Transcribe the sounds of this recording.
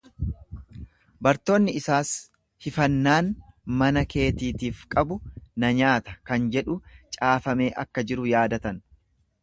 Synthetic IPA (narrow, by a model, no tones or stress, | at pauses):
bɐɾt̪o̞ːnːɪɪsaːs | hɪfɐnːaːnmɐnɐke̞ːt̪iːt̪iːfkʼɐbʊnɐɲaːt̪ɐkɐnd͡ʒɛᶑʊt͡ʃʼaːfɐme̞ːʔɐkːɐd͡ʒɪɾʊjaːd̪ɐt̪ɐn